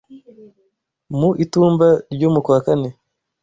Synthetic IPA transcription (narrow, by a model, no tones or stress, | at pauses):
muʔituːmbaɾɟoːmukwaːkane